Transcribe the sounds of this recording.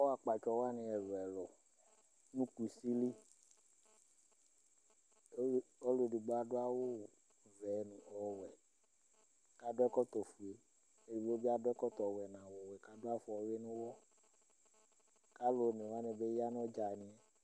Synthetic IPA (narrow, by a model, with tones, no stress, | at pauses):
o˦a˨k͡pa˨t͡ʃɔ˨wa˦nĩ˨ɛ˨vɛ˨lɔ˨ | nũ˦ku˨si˦li˦˨ | o˦lo˨di˨ɡ͡bɔ˦a˨do˦a˦wo˦˨ | vɛ˨nũ˨ɔ˦wɛ˨ | ka˦do˦ɛ˦kɔ˦t̪ɔ˨fu˨e˨ | e˨i˨˦o˦bi˦a˦˨dɔ˦ɛ˦kɔ˦t̪ɔ˨wɛ˨nã˨wɔ˨wɛ˨ka˦do˦a˦fɔ˨˦we˦nũ˦wɔ˦ | ka˦lo˨nẽ˨wa˦nẽ˨be˦ja˦nɔ̃˦d͡ʒa˨nĩ˨ɛ˦